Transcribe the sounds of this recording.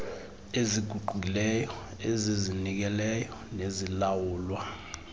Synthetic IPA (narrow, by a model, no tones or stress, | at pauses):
eziɡ̥ʱuɡ͡ǃʱuilɛjɔ | ezizinik̬ɛlɛjɔnezilawuːlwa